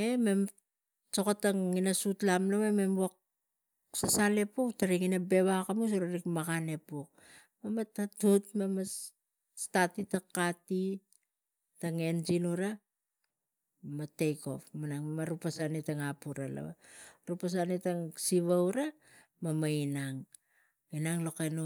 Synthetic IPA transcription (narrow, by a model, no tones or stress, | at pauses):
eme̞m | sokotaŋinasutlamlaweme̞mwak̚ | sasale̞puktaɾiŋinabe̞βakamus̬uɾaɾikmakane̞puk̚ | mamatatutmamas | statitakati | taŋe̞nd͡ʒinuɾa | matejko̞̰pmanaŋmamaɾupasanitaŋapuɾa̰la̰wa̰ɾupas̬anitaŋsiβawɾa | mamainaŋ | inaŋlo̞kenu